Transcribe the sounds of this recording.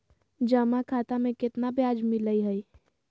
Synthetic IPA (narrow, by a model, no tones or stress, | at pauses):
d͡ʒəmakʰaːt̪amẽkɪt̪nabjaːd͡ʒmɪləiɦəi